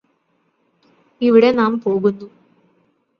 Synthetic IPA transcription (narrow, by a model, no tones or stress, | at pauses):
iʋiɽe̞naːmpo̞ːɣunːu